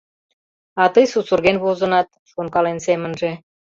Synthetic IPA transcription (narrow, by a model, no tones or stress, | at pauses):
ɑt̪əjsusurɣenβozənɑt̪̚ | ʃunkɑlensemənʒe